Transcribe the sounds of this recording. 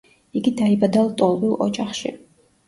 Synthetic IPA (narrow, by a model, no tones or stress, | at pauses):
iɡid̪aibad̪alˠt̪ʼɔlˠbilɔ̰d͡ʒaχʃḭ